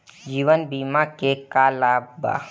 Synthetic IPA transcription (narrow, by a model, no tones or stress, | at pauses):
d͡ʒiːʋənbiːmakekalaːbba̰